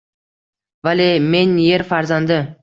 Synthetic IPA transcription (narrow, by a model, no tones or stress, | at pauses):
valeme̞nje̞ɾfaɾzand̪ɪ